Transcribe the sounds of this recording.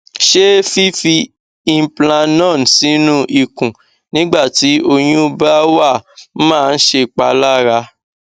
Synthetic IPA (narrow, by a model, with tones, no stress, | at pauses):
ʃe˦fi˦fi˧ | ĩ˧˨plã˧nɔ̃˦˨n˨si˨˦nũ˦ʔi˨kũ˨ | nĩ˦ɡ͡ba˦˨ti˨˦o˧j̃ĩ˦˧ba˦wa˦˨˦mãː˦˨˧n̩˦ʃe˧k͡pa˧˦la˦ɾa˧˦